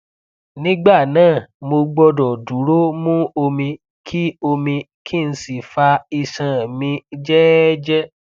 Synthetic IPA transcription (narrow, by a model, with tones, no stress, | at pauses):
nĩ˦ɡ͡ba˦˨nãː˦˨mo˧ɡ͡bɔ˧dɔ˨du˨˦ɾo˦mũ˦o˧mĩ˧ | kʰi˦o˧mĩ˧ | kʰi˦˨n̩˧˦si˦˨fa˧i˧sã˨mĩ˧d͡ʒɛ˦d͡ʒɛ˦